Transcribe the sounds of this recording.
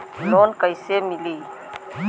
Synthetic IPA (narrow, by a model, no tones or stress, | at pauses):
loːnkəɪsemɪliː